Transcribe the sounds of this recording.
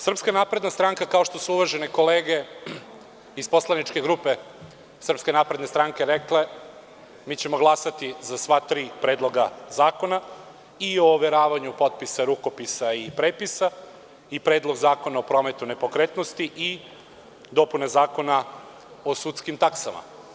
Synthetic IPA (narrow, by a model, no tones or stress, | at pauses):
sr̩pskanaːpɾe̞d̪nast̪ɾaŋkakao̞ʃt̪o̞suuʋaʒe̞neko̞leːɡe | ispo̞slˠanit͡ʃkeɡɾupe̞ | sr̩pske̞naːpɾe̞d̪ne̞st̪ɾaŋke̞ɾekle̞ | miːt͡ɕe̞mo̞ɡlˠasat̪izasʋat̪ɾiːpɾeːd̪lˠo̞ɡazaːko̞na | io̞ʋeɾaːʋaɲupo̞t̪̚pisaɾuko̞pisaipɾeːpisa | ipɾeːd̪lˠo̞ɡzaːko̞naopɾo̞ːme̞t̪une̞po̞kɾet̪no̞st̪iʔi | d̪o̞punezaːko̞na | o̞sut̪skimt̪aksama̰